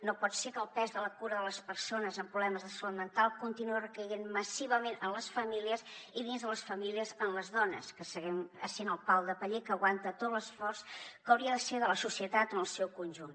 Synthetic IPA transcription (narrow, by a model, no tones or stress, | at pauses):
nopɔt̪sekəːlˠpɛzðələkuɾəðələspəɾsonəzəmpɾuβlɛməzðəslut̪mənt̪alˠkunt̪inuərəkəɣenməsiβəmenənləsfəmiliəziðinzðələsfəmiliəzənləzðɔnə̰skəsəɣɛməsenəlˠpawðəpəʎekəːɣwant̪ət̪ot̪ləsfɔrskəwɾiəðəseðələsusiət̪at̪onəlˠsɛwkunʲʒun